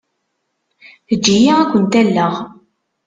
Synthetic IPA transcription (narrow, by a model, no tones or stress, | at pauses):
θəd͡ʒːijiækʷːənt̪ælːəʁ